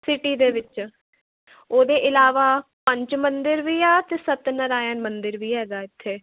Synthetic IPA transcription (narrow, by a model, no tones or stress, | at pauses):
sɪʈiːd̪eːʋɪt͡ʃ | oːd̪eːʔɪlaːʋaːpəɲt͡ʃmənd̪ɪɾʋiːaːt̪eːsət̪nəɾaːjənmənd̪ɪɾʋiːɦɛːɡaːɪt̪ʰːeː